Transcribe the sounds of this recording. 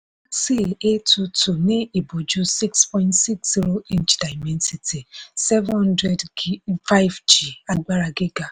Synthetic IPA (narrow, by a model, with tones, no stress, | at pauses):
si˦˨e˦tu˨tʰu˨ne˦i˨bo˨d͡ʒu˦si˦kspɔ˦ɪ̃˦ntsi˦ksz̥i˦ɾo˦ĩ˦nt͡ʃda˨ɪmɛ˦nsi˨tʰi˨sɛ˦vhɔ̃˦n˦dɾɛ˦dfa˦jvd͡ʒi˨a˨ɡ͡ba˦ɾa˨ɡe˦ɡa˨